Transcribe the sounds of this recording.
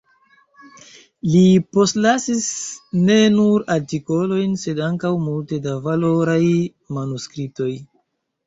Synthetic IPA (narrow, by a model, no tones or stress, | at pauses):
lipo̞stlasisne̞nuɾaɾtiko̞lo̞jnse̞daŋkawmulte̞davalo̞ɾaj | manuskɾip̚to̞j